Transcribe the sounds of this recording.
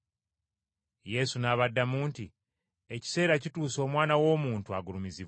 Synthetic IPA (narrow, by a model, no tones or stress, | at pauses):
je̞sunaβadːamuːnti | e̞ci̥se̞ːɾacituːso̞ːmwaːnawo̞ːmuːntuaɡuɾumiziβ